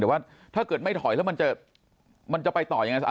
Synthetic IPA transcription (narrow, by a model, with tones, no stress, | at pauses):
iː˨˩˦waː˥˩ | t̪ʰaː˥˩kɤː˨˩t̪̚ma˥˩jt̪ʰɔ˨˩˦jlɛː˦˥wma˧nt͡ɕa˨˩ | ma˧nt͡ɕa˨˩pa˧jt̪ɔː˨˩ja˧ŋa˧js